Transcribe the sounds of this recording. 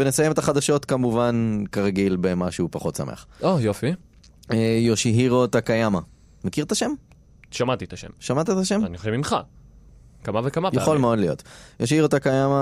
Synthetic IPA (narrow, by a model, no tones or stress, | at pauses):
venesajemet̪aχad̪aʃo̞t̪kamuvankaʁaɡilbemaʃupaχo̞t̪sa̰mḛχojofi | ejoʃiɦiʁot̪akajama | mekiʁt̪aʃe̞m | ʃamat̪it̪aʃḛmʃamat̪at̪aʃe̞manioʃevimχa̰ | kamavekamajaχolmeodlijo̞̰t̪joʃhiʁot̪akajama